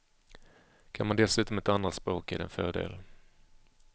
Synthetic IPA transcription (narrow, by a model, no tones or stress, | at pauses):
kʰanmand̪ɛlsʉ̟ːt̪ɔmɛt̪anːat̪spɾoːkɛ̰d̪ɛ̰nfœːɖḛːl